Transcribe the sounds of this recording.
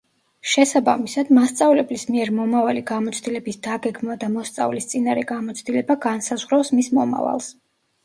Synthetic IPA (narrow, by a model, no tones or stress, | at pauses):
ʃɛsaba̰misad̪mast̪sʼavlɛblismiɛɾmɔmavaliɡamɔt̪sʰd̪ilɛbisd̪aɡɛɡmnad̪amɔst̪sʼa̰vlist̪sʼinaɾɛɡamɔt̪sʰd̪ilɛbaɡansazʁɾɔfsmismɔma̰va̰lˠs